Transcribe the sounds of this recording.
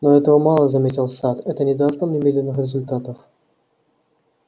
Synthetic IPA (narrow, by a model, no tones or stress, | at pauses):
noɛt̪əvəmɑlˠəzɐmʲetʲɪlˠsat̪ɛt̪ənʲɪd̪ast̪əmnʲɪmʲed̪ʲlʲɪnːɨxɾʲɪzʊlʲt̪at̪əf